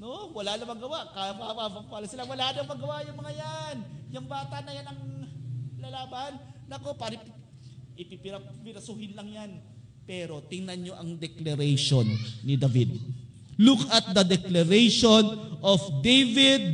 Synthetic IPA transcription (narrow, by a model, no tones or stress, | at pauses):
nowɐlanɐmɐŋɡɐwaʔkamamabɐpaːlɐsɪlawɐlaːʔnɐŋmɐɡɐwaʔjʊŋmɐŋajanjʊŋbaːt̪ɐʔnɐjanɐŋ | lalaːbanːɐko̞paɾɐ | ʔɪpipɪɾɐpɪɾɐsʊhɪnlɐŋjan | pɛːɾo̞t̪ɪŋnɐnɲo̞ʔɐŋd̪ɛklɐɾɛjʃonːɪd̪avid̪̚ | lukɐt̪̚d̪ɐd̪ɛklɐɾejʃonʔofd̪ejvɪd̪̚